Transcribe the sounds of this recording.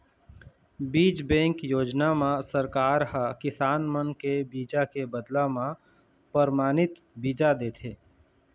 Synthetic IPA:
biːd͡ʒbɛ̃ːŋkjoːd͡ʒnamãsəɾkaːɾɦakɪsaːnmənkebiːd͡ʒakebəd̪lamã | pəɾmaːnɪt̪ | biːd͡ʒad̪eːt̪ʰeː

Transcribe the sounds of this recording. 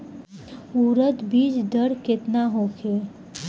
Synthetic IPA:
uːɾət̪biːd͡ʒd̪əɾkɪt̪naɦoːkʰe

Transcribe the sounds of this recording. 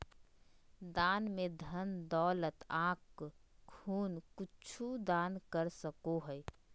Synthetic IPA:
d̪aːnmẽd̪ʱənd̪ɔːlət̪ãːkkʰuːnkʊt͡ʃʰud̪aːnkəɾsəkoɦɛɛ

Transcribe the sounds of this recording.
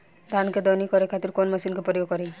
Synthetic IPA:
d̪ʱanked̪ɔnikɔɾekʰat̪iɾkonməsinkepɔɾjokɔɾe

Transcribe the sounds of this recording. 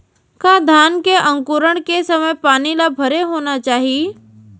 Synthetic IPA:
kãːd̪ʱaːnkeʔə̃ŋkuːɾəɽ̃kesɐməjpaːnilabʱɐɾeɦoːnat͡ʃaːɦie

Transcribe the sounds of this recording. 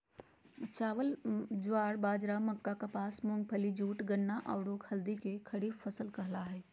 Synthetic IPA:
t͡ʃaːʋəld͡ʒaːɾbaːd͡ʒɾamɐkːakapaːsmʊ̃ŋɡ̚pʰəlid͡ʒuːʈɡənːaʔaːʊɽoːkhɐld̪ikekʰɐɽiːfʰɐsəlkɐɦlaɦɛː

